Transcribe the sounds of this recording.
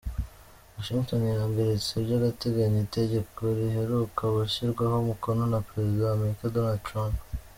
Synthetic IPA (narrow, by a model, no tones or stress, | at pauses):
waʃiŋto̞njambeɾet͡sebjɟaɡate̞ɡaɲite̞ɟe̞koɾiɦe̞ɾukʰaβaçiɾɡwaɦo̞muko̞no̞napɾe̞zidaːme̞ɾikadonaldtɾamp